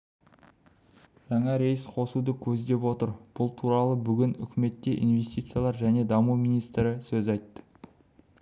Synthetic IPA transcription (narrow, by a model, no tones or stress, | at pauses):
ʒ̥ɑɴɑɾe̞jɪsqʰo̞sud̪əkʲʰɵzd̪e̞pwo̞t̪əɾb̥ʊlˠt̪ʰuɾɑlˠəbʏɡʲɪnʏ̰kʲɪme̞t̪ːe̞ʔḭnve̞st̪it̪sɨjalˠɑɾʒæne̞d̪ɑmumijnijst̪ɾɪsɵzɑjt̪ːə̥